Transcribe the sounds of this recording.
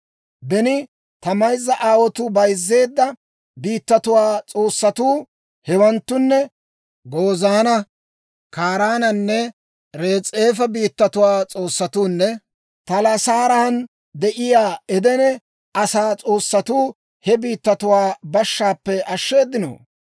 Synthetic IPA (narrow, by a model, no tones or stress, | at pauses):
bɛnɪ | t̪ɐmɐjzːɐʔaːwɔt̪ʊbɐjzːe̞ːd̪ːɐ | biːt̪ːɐt̪ʊwaːt͡sʼoːsːɐt̪uː | hɛwɐnt̪ːʊnːɛ | ɡoːzaːnɐ | kaːɾaːnɐnːɛ | ɾe̞ːt͡sʼe̞ːfɐbiːt̪ːɐt̪ʊwaːt͡sʼo̞ːsːɐt̪uːnːɛ | t̪ɐlɐsaːɾɐhɐn | d̪ɛʔɪjaːɛd̪ɛnɛ | ɐsaːt͡sʼo̞ːsːɐt̪uː | hɛbiːt̪ːɐt̪ʊwaːbɐʃːaːpːɛɐʃːe̞ːd̪ːɪno̰ː